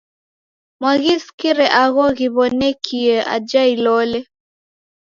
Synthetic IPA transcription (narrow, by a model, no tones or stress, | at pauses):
mwaɣiskiɾɛʔaɣɔɣiβɔnɛkʰiɛʔa̰d͡ʒailɔlɛ